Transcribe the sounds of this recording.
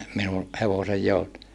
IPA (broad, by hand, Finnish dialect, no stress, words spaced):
minu heʋosej joutu